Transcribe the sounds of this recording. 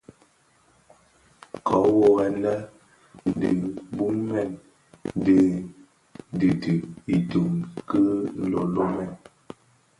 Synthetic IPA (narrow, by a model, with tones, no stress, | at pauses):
kʰɔ˨˦wo˦ɣɛ˨nlɛ˦ | n̩˨di˨bu˦mɛ˦˨n˦ | di˨ | dɨ˨tɨ˨i˨tu˨mkə˦lo˨lo˦mɛ˦˨n